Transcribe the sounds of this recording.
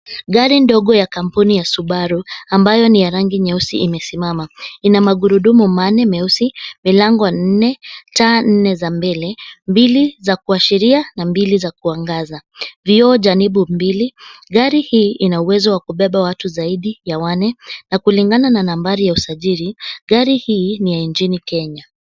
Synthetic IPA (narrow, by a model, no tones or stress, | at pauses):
ɡaɾindɔɠɔjakam̩punijasuɓaɾuambajɔnijaɾaŋɡiɲɛusiʔimɛsimamainamaɠuɾuɗumumanɛmɛusimilaŋɡɔnn̩nɛtaːn̩nɛzambɛlɛmbilizakuaʃiɾianambilizakuaŋɡazaviɔʄaniɓumbiliɠaɾihiːʔinauwɛzɔwakuɓɛɓawatuzaiɗijawanɛnakuliŋɡanananambaɾijausaʄiɾiɠaɾihiːnijaint͡ʃinikɛɲa